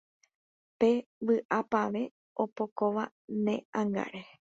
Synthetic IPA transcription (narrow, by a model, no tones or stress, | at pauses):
pe̞ʋɨʔapaʋe̞ | o̞po̞koʋa | nẽ̞̰ãŋɡa̰ɾe